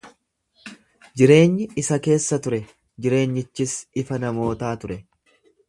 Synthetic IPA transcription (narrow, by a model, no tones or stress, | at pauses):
d͡ʒɪɾe̞ːɲːɪɪsɐke̞ːsːɐt̪ʊɾɛ | d͡ʒɪɾe̞ːɲːɪt͡ʃːɪsɪfɐnɐmo̞ːt̪aːt̪ʊɾɛ